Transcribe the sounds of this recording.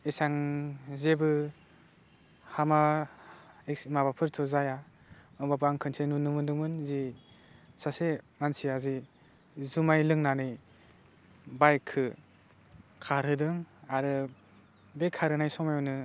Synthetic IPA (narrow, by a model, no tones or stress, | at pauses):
isaŋzebɯ | hama | eksimabapʰɯɾtʰɔzaja | ɯbabaŋkʰɯnsʰenunɯmɯndɯŋmɯnzi | sasemansiazi | zumajlɯŋnanɯj | bajkʰːɯ | kʰaɾɯdɯŋaɾɯ | bekʰaɾɯnajsɔŋmajɔnɯ